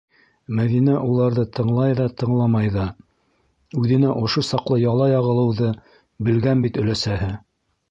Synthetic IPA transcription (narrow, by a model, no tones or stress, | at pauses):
mæðinæʔulˠɑɾðɤt̪ʰɤ̆ɴlˠɑjðɑt̪ʰɤ̆ɴlˠɑmɑjðɑ | ʉðɘ̆næʔŏʃosɑqlˠɤjɑlˠɑjɑʁɤ̆lˠɤ̆wðɤ | bɘ̆lɡænbit̪ɵ̆læsæɦɘ